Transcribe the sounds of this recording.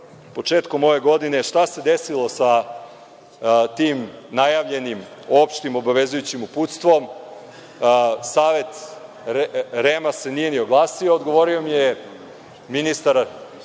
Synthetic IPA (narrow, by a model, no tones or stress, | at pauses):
po̞t͡ʂe̞ːt̪ko̞mo̞ʋe̞ɡo̞d̪ine̞ʃt̪ase̞d̪esilˠo̞sa | t̪iːmnajaʋʎe̞nim | o̞pʃt̪imo̞baʋe̞zujut͡ɕimuput̪st̪ʋo̞m | saːʋe̞t̪ | ɾemase̞nije̞nio̞ɡlˠaːsio̞ːd̪ɡo̞ʋo̞ɾio̞mije | minist̪aɾ